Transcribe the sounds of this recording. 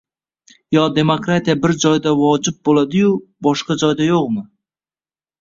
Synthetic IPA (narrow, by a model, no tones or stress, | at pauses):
jɒd̪e̞mokɾat̪ijabɪɾd͡ʒɒjd̪avɒd͡ʒɪb̚bolad̪ɪjʊbɒʃqɑd͡ʒɒjd̪ajoqmɪ